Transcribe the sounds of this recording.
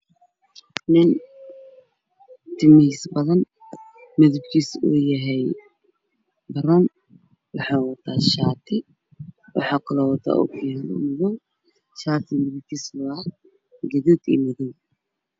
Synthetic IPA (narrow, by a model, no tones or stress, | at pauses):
nɪn | t̪ʰɪmɪhiːsbɐðɐn | mɪðʊbkʰiːsṵːjɐɦɛj | bɐɾɔn | wɑħɑːwɐt̪ʰaːʃaːt̪ʰɪ | wɑ̰ħɑkʰʊlɐwɐt̪ʰa̰ʔṵkʰːmɪðɔw | ʃaːt̪ʰɪmɪðʊb̚kʰiːslʊ | ɡɐðut̪ḭːmɪðuw